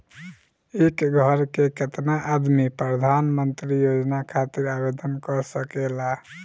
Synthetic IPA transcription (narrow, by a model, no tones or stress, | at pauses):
ekɡʱəɾkeket̪naʔad̪mipɾəd̪ʱanmənt̪ɾijod͡ʒnakʰat̪iɾabed̪ənkɔsəkela